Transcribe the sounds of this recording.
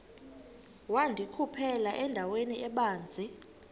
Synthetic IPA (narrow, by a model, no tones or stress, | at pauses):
wandʱikʰupʰɛlaʔɛndʱaweniʔɛɓaːnd͡zʱi